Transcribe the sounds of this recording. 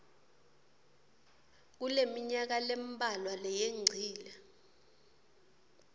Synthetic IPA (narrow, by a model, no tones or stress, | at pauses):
k̬ulemiɲak̬alembʱalwalɛjeŋ͡ǀʱiːla